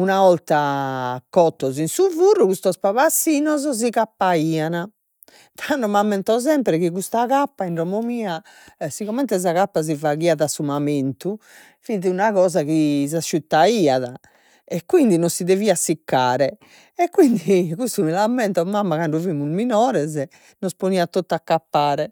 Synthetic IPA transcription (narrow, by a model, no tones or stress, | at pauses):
unaɔlt̪akɔt̪ːɔzinsuvurːukust̪ɔspaβasːiːnɔzɔz̬iɣapːaiːana | t̪ʰaɳɖɔmamːɛnt̪ɔzɛmpɾɛɣikust̪aɣapːaiɳɾɔmomiːa | siɣɔmɛnt̪ɛz̬aɣapːaz̬ivaɣiːaðasːumament̪u | fit̪iunaɣɔːzaɣis̬asʃyt̪ːaiːaða | ɛkːwind̪inɔnsiðeviːasikːaːɾɛ | ɛkːwind̪ikust̪umilamːɛnt̪ɔmamːakaɳɖuvimːuzminɔːɾɛzɛ | nɔsponiːat̪ot̪ːakːapːaːɾɛ